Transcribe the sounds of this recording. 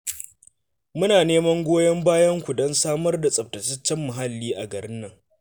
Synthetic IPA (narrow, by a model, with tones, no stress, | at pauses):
mʊ˦naː˨neː˦mɐ˦ŋɡʷoː˦jɐ˦mbaː˦jɐ˦ŋkʷu˨dɔ˦nsaː˦mɐ˦rda˨sʼɐ˨b̚tɐ˨t͡ʃɐ˦t͡ʃːɛ˦mːʊ˨ɦa˦lːiː˦ʔa˨ɡɐ˨ɽɪ˦nːɐ˦ŋ